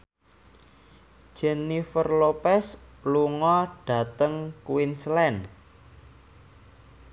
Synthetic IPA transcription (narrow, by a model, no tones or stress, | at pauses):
d͡ʒ̥ɛnifərlopɛsluŋɔɖ̥ä̤t̪əŋkuwinslɛn